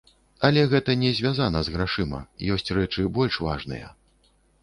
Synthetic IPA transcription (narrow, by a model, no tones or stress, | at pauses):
ɐlʲɛɣɛt̪ɐnʲɛzʲvʲazanɐzɣɾaʂɨmɐ̰jɔsʲt͡sʲrɛt͡ʂɨbɔlʲʂva̰ʐnɨ̰jɐ̰